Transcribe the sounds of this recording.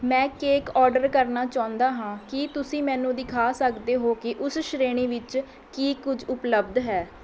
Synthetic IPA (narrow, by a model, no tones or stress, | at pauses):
mɛ̃ːkeːkɔːɾɖəɾkəɾnaːt͡ʃãːʊ̃nd̪aːɦãːkɪt̪ʊsĩːmɛ̃ːnũːd̪ɪkʰaːsəkd̪eːɦoːkɪʔʊsʃɾeːɽ̃iːʋɪt͡ʃ | kiːkʊd͡ʒʊpləbd̪ɦɛː